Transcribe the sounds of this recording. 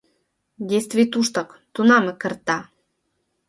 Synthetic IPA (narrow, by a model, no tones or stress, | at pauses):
d̪ʲest̪vʲit̪uʃt̪ɤ̆kt̪unɑmɘ̆kə̆rt̪ɑ